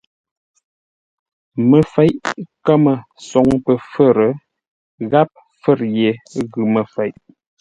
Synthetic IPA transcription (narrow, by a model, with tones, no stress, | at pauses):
mə˨fɛ˨˦jʔkə˦mə˨ | sɔ˨ŋpə˨fə˦ɾə˨˦ | ɣa˦p̚ | fə˦˨ɾje˨ɣʉ˨mə˨fɛ˨˦jʔ